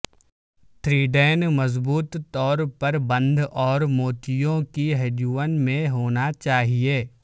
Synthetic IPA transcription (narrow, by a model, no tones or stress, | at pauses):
t̪ʰɾiːɖɛːnmɐzbuːt̪ːɔːɾpɐɾbə̃nd̪ʱɔːɾmoːt̪ijõkiɦɛd͡ʒuːʋənmẽɦoːnat͡ʃaːɦieː